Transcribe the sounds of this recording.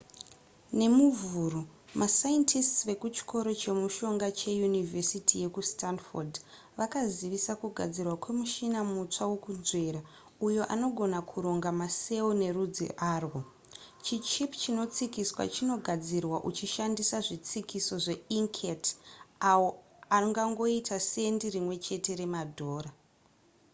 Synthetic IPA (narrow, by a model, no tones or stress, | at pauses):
ne̞muvuːro | mʔasajentʰistsʋe̞kut͡ʃi̥kʰo̞ɾo̞t͡ʃe̞muʃo̞ŋɡat͡ʃe̞junivesitʰije̞kustanford | ʋakaziʋisakuɡʱa̰d͡zirwakwe̞muʃinamut͡ʂawokunzwe̞ɾa | ujo̞ʔa̰no̞ɡʱo̞nakʰuɾo̞ŋɡamase̞une̞rud͡zḭʔaːrwo | t͡ʃit͡ʃipt͡ʃino̞t͡sikiswa̰t͡ʃino̞ɡʱad͡zirwaʔut͡ʃiʃandisaʐit͡sikiso̞ʐe̞iŋkʰetaoariŋɡaŋɡo̞itasendirimwe̞t͡ʃe̞te̞ɾe̞madʱo̞ːɾa